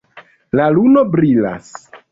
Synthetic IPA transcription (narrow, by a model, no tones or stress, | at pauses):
lalunobɾila̰s